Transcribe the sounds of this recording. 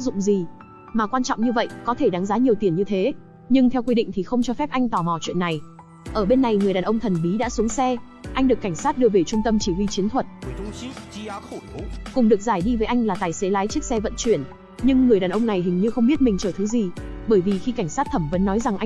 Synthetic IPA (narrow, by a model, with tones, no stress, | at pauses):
zʊ̰˧˨ŋ͡mzi˨˩ | maː˨˩kwaː˧nt͡ɕɔ̰˧˨wŋ͡mɲɨ˧və̰˧˨jʔkɔ˨˦t̪ʰe˧˩ɗa˨˦ŋzaː˨˦ɲi˨˩əwt̪i˨˩ənɲɨ˧t̪ʰe˨˦ | ɲɨ˧ŋt̪ʰɛ˧wkwi˧ɗḭ̈˧˨ŋ̟t̪ʰi˨˩xə˧wŋ͡mt͡ɕɔ˧fɛ˦˥p̚ʔa˧jŋ̟t̪ɔ˧˩mɔ˨˩t͡ɕwḭ˧˨ənːa˨˩j | ʔəː˧˩ɓe˧nːa˨˩jŋɨ˨˩əjɗaː˨˩nʔə˧ŋ͡mt̪ʰə˨˩nɓi˨˦ɗa̰ː˧˥su˨˦əŋsɛ˧ | ʔa˧jŋ̟ɨ˨˩əkːa˧˩ŋ̟saː˦˥t̚ɗɨ˧əve˨˩t͡ɕʊ˧ŋ͡mt̪ə˧mt͡ɕi˧˩hwi˧t͡ɕi˨˦nt̪ʰwə˨˩t̚ | kʊ˨˩ŋ͡mɗɨ˨˩k̚zaː˧˩jɗi˧vəː˨˦jʔa˧ŋ̟laː˨˩t̪aː˨˩jse˨˦laː˨˦jt͡ɕi˦˥k̚sɛ˧və̰˧˨nt͡ɕwi˧˩ən | ɲɨ˧ŋːɨ˨˩əjɗaː˨˩nʔə˧wŋ͡mna˨˩jɦï˨˩ŋ̟ɲɨ˧xə˧wŋ͡mɓi˦˥t̚mi̟˨˩t͡ɕəː˧˩t̪ʰɨ˨˦zi˨˩ | ɓəː˧˩jvi˨˩xi˧ka˧˩jŋ̟saː˦˥t̚t̪ʰə˧˩mvə̰˧˨˦nːɔ˨˦jza˨˩ŋʔa˧